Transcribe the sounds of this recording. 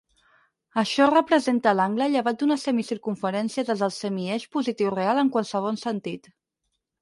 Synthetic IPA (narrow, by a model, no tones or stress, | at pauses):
əʃɔrəpɾəzent̪əlaŋɡləʎəβ̞at̪̚d̪unəsəmisiɾkuɱfəɾɛnsiəðəzðəlˠsəmiɛʃpuzit̪iwrealˠəŋkwalˠsəβ̞ɔnsənt̪it̪